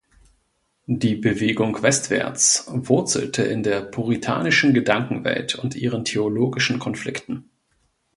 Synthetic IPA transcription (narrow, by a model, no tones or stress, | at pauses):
d̥iːbəveːɡʊŋkv̥ɛstv̥ɛ̰ɐt͡svʊɐt͡sl̩tʰəʔɪndeːɐpʰuʁ̞itʰa̰ːnɪʃn̩ɡədaŋkŋ̩vɛ̰ltʰʊntʔiːʁəntʰeoloːɡɪʃn̩kʰɔnflɪktn̩